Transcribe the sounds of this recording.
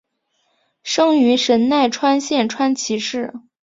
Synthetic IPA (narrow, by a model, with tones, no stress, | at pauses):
ʂɤ˥ŋy˧˥ʂə˧˥nna˥˩ɪʈ͡ʂʰwa˥nɕjɛ˥˩nʈ͡ʂʰwa˥nt͡ɕʰi˧˥ʂɻ̩˥˩